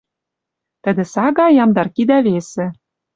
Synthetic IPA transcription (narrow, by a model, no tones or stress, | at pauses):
t̪ɘ̆d̪ɘ̆sɑɡɑjɑmd̪ɑrkid̪æβesĕ